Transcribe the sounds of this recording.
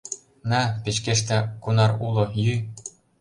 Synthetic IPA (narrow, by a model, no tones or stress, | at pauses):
nɑpʲet͡ɕkeʃt̪ækunɑrulˠɤ̆jy